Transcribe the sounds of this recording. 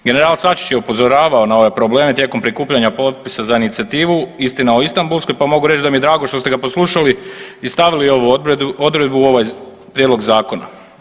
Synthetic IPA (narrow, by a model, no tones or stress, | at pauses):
ɡe̞neɾaːlsat͡ʃi̥t͡ɕjeupo̞zo̞ɾaːʋaonao̞ʋe̞pɾo̞ble̞ːme̞t̪je̞ːko̞mpɾikuːpʎaɲapo̞t̪̚pisazainit̪siat̪iːʋuist̪inaoist̪ambulˠsko̞jpamo̞ɡuɾet͡ʃd̪amijed̪ɾaːɡoʃt̪o̞st̪ɡapo̞sluʃaliist̪aʋilioʋuo̞d̪ɾed̪̚buo̞ʋaj | pɾjed̪lo̞ɡzaːko̞na̰